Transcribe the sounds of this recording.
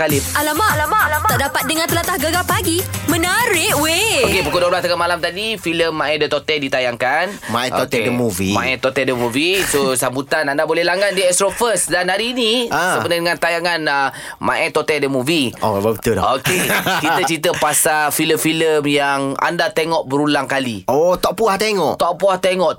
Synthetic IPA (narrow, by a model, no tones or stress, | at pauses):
kalɪalamaʔalamaaaʔdapat̪̚dəŋãnt̪əlat̪ahɡəɡapaɡimənaɾɪʔweokebukodoblast̪akamalamt̪adifiləmːãɛdət̪ot̪ɛldit̪ajaŋkanmaɛot̪ɛdəmuvḭma̰ɛt̪ot̪ɛldəmuvisosambut̪anandabolɛhlaŋandiɛst̪ɾofəsdanaɾiniasəbənədəŋant̪ajaŋanə | mã̰ʔɛt̪ot̪ɛldəmuvio̰ababit̪udɔ̰okekit̪ət͡ʃɾit̪əpasafiləmfiləmjaŋa̰ndat̪eŋɔʔbəɾulaŋkaliot̪ɔʔpuaht̪eŋɔʔt̪ɔʔpuaht̪eŋɔʔ